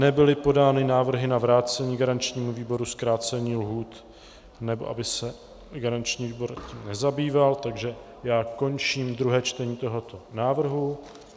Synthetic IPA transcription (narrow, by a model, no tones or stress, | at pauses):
nɛbɪlɪpo̞daːnɪnaːvr̩ɦɪnavɾaːt͡sɛɲiːɡaɾant͡ʃɲiːmuviːbo̞ɾuskɾaːt͡sɛɲiːlɦuːt̪ | nɛbo̞ʔa̰bɪsɛ | ɡaɾant͡ʃɲiːviːbo̞ɾciːmnɛzabiːvalt̪aɡʒɛ | jaːko̞nt͡ʃiːmd̪ɾuɦɛːt͡ʃt̪ɛɲiːt̪o̞ɦo̞t̪o̞naːvr̩ɦu